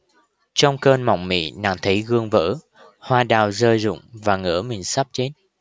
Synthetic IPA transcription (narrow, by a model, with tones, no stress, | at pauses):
t͡ɕɔ˧wŋ͡mkəː˧nma̰˨˧˨wŋ͡mmḭ˧˥na̰ː˧˨ŋt̪ʰi˧˦ɣɨ˧əŋvə̰ː˧˥ | hwaː˧ɗaː˨˩wzəː˧jzʊ̰˧˨ŋ͡mvaː˨˩ŋɨ̰˧˥əmï˨˩ŋ̟sa˦˥p̚t͡ɕe˨˦t̚